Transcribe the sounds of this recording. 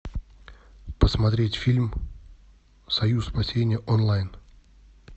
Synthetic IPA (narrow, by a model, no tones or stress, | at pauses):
pəsmɐt̪ɾʲetʲfʲilʲm | sɐjuspɐsʲenʲɪjəʔonlˠajn